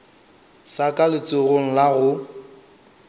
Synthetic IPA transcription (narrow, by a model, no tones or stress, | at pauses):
sakʼalɪt͡sʼʊɣoŋ̩laɣʊ